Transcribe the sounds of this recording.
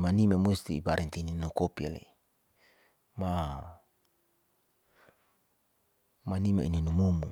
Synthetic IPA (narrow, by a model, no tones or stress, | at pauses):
manimamust̪ipaɾɛnt̪ininukopialḛ | ma | manimaḭninumumu